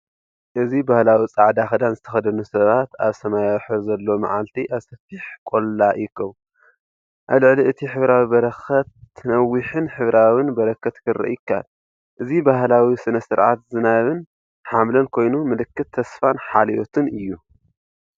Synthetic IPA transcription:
ʔɨzibahlawit͡sʼaʕd̪axɐd̪anzɨt̪ʰɐxɐd̪ɐnusɐβat̪a̰βsɐmajawħɨɾzɐlːo̞ma̰ʕalt̪ʰiʔaβsɐfiħkʼo̞lːajɪkʰːɐw | ʔaβlɨʕliɨt̪ʰiħɨβɾawibɐɾɐxɐt̪ʰːɨnɐwːiħɨnħɨβɾawɨnbɐɾɐkʰːɐt̪kʰɨɾːɐ̰ʔjɪkʰːa̰l | ʔɨzibaɦlawisɨnɐsɨɾʕa̰t̪zɨnaβɨn | ħamlɐnkʰo̞jnumɨlɨkːɨt̪ʰːɐsfanħalijot̪ʰɨnɨjːu

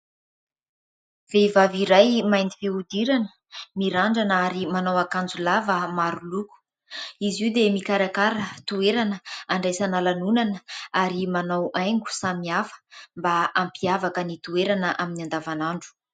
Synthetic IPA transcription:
vevaviɾajmajnd̪iveud̪iɾanə̥ | miɾaɳɖ͡ʐanaɾimanawakand͡zulavəmaɾuluku̥ | iziwd̪emikaɾakaɾət̪ueɾanəaɳɖ͡ʐajsanalanunanəaɾimanawajŋɡu̥samiafə̥mbaampiavakənit̪ueɾanəʔaminiand̪avanaɳɖ͡ʐu̥

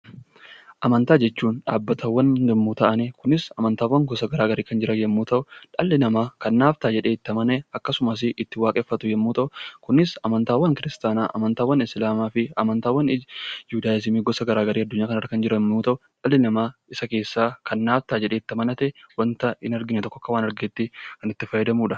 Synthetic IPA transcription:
ʔɐmɐnt̪aːd͡ʒɛt͡ʃːuːnᶑa̰ːbːɐt̪ʰɐwːɐnɡɛmːuːt̪ɐʔɐnɛkʊnɪsɐmɐnt̪aːwːɐŋɡɔsɐɡɐɾaːɡɐɾiːkɐnd͡ʒɪɾʔɐjɛmːuːt̪ɐʔʊᶑɐlːɪnɐmaːkɐnːaːft̪aːd͡ʒɛᶑeːɪt̪ːɐmɐnɛɐkːɐsʊmɐs̬ɪʔɪt̪ːɪwaːkʼɛfːɐt̪ʊjɛmːuːt̪ɐʔʊkʊnɪsɐmɐnt̪aːwːɐŋkɪɾɪst̪aːnaːʔɐ̰mɐnt̪aːwːɐnɪslaːmaːfɪɐ̰mɐnt̪aːwːɐnjuːd̪aːjɪzɪmiːɡɔsɐɡɐɾaːɡɐɾiːɐd̪ːʊɲːaːkɐnɐɾkɐnd͡ʒɪɾɐmːuːt̪ɐʊᶑɐlːɪnɐmaːɪsɐke̞ːsːaːkɐnːaːft̪aːd͡ʒɛᶑeːɪt̪ːɐmɐnɐt̪ɛwɐnt̪ɐɪnɐɾɡɪnɛt̪ɔkːɔɐkːɐwaːnɐɾɡeːt̪ːɪkɐnɪt̪ːɪfɐjɛd̪ɐmuːᶑɐ

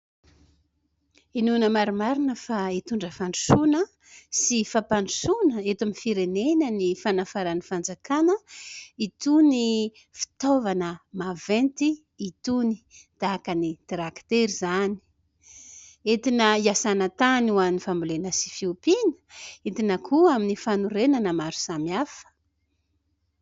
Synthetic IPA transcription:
inunəmaɾimaɾinəfait̪uɳɖ͡ʐəfaɳɖ͡ʐi̥sunə | sifapaɳisunəet̪amifiɾenenənifanafaɾanifand͡zakanəit̪uni | fi̥t̪ovanəmavent̪iː | t̪uni | d̪̥akənid̪̥iɾakt̪eɾizani̥ | et̪inəiasanət̪anuanifambulenəsi̥fiupinə̥et̪inəkʰuaminifanuɾenanəmaɾu̥samiafə̥

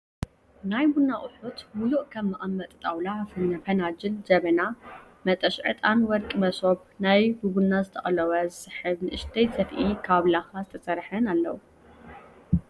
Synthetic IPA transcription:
najbunːaʔʼʊħut̪muluʔkʰɐmːɨʔamːɐt̪ʼt̪ʼawlafɨnːɐfɐnad͡ʒɨld͡ʒɐβɐna | mɐt̪ʼɐʃʕɨt̪ʼanwɔɾkʼmɐsoβnajbubunːazɨt̪ʰɐʔʼɐlɐwɐzɨsɨħɨβnɨʔɨʃt̪ʰɐjsɐfʔikʰaβlaxazɨt̪ʰɐsʼɐɾħɐnalːɐwu

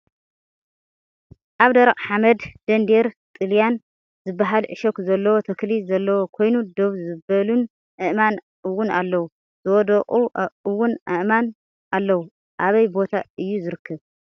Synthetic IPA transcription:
ʔaβd̪ɐɾɐqʼħamɐd̪d̪̥ɐnd̪eɾt̪ʼɨljan | zɨbːaɦalʕɨʃokzɐlːɐwot̪ʰɐklizɐlːɐwo̞kʰo̞jnud̪o̞βzɨbɐlun | ʔɨʔman | ʔɨwːʊnalːɐwu | zɨwɔd̪ɐqʼuʔɨwːʊnʔɨʔman | ʔalːɐwu | ʔaβɐjbo̞t̪ʰaʔɨjːuzɨɾɨkʰːɐβ

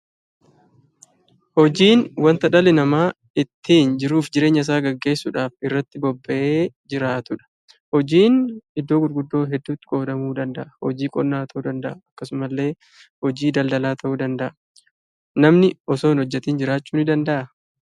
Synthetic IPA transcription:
hɔd͡ʒiːnwɐnt̪ɐᶑɐlɛnɐmaː | ɪt̪ʰːiːnd͡ʒɪɾuːfd͡ʒɪɾe̞ːɲːɐɪs̬aːɡɐɡːe̞ːsːuːᶑaːfɪrːɐt̪ːɪbɔbːɐʔeː | d͡ʒɪɾaːt̪ʊᶑɐ̥ | hɔd͡ʒiːnɪd̪ːo̞ːɡʊɾɡʊd̪ːo̞ːɦɛd̪ːuːt̪ːɪ̥kʼoːd̪ɐmuːd̪ɐnd̪ɐʔɐhɔd͡ʒiːkʼɔnːaːt̪ɐʔuːd̪ɐnd̪ɐʔɐɐkːɐsʊmɐlːe̞ː | hɔd͡ʒiːd̪ɐld̪ɐlaːt̪ʰɐʔuːd̪ɐnd̪ɐʔɐ | nɐmnɪɔsoːnhɔd͡ʒːɛt̪iːnd͡ʒɪɾaːt͡ʃːuːnɪd̪ɐnd̪ɐʔɐ

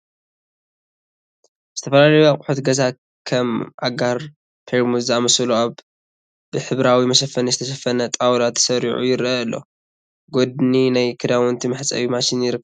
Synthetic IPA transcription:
z̥ɨt̪ʰɐfɐlalɐjuakʼħut̪ɡɐza | kʰɐmʕaɡaɾ | pʰeɾmuzzɨamɐsluaβ | b̥ɨħɨβɾawimɐʃɐfɐnizɨt̪ʰɐʃɐfɐnɐt̪ʼawlat̪ʰːsɐɾiʕṵjɪɾɐɨlːʔo̞̰ | ɡod̪ninajkʰɨd̪awɔnt̪ʰimɨħt͡sʼɐ̰wimaʃinjɪɾɨ

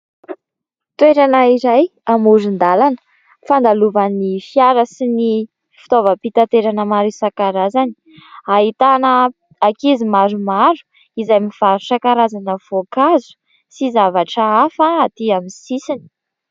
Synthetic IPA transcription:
t̪weɾanaiɾajamuɾind̪alanə̥ | fand̪aluvanifiaɾəsini | fi̥t̪ovəpit̪at̪eɾanəmaɾusakaɾazani̥ | aɦit̪anə | akizimaɾumaɾu̥ | izajmiv̥aɾusakaɾazanəv̥okazu̥ | sizavaʈ͡ʂəafaːt̪iamisisini̥

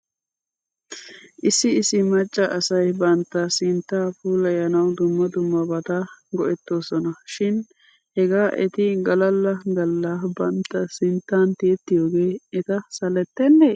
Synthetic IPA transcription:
ʔɪsːɪɪsːɪmɐt͡ʃʼːɐʔɐsɐjbɐnt̪ːɐsɪnt̪ːaːfuːlɐjɐnɐwd̪ʊmːɐd̪ʊmːɐbɐt̪aɡɔʔɛt̪ːo̞ːsɔnɐʃɪn | hɛɡaːʔɛ̰t̪ɪɡɐlɐlːɐɡɐlːabɐnt̪ːɐsɪnt̪ːaːnt̪iɛt̪ːɪjo̞ːɡe̞ːɛt̪ɐsɐlɛt̪ːɛnːe

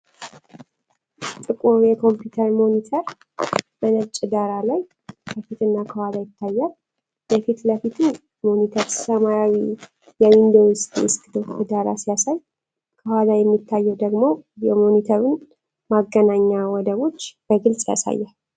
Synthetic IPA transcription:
t̪ʼɨkʼuɾjɛkʰo̞mpjut̪ʰəɾmo̞nit̪ʰəɾ | mənəɾt͡ʃʼɨd̪aɾalaj | kʰəfit̪ɨnːakʰəwazajɪt̪ʰːajːal | bəfit̪ləfit̪ʰu | monit̪ʰəɾsəmaɾawi | jɛwind̪owst̪ḭɪst̪ɨd̪ɨɨd̪aɾa̰sijasaj | kʰəwazajɛmːit̪ːajːɛwd̪əɡmo̞jɛmo̞nit̪ʰəɾun | maɡːənaɲːawɔd̪əβo̞t͡ʃːb̥əɡɨlsʼija̰sa̰jːal

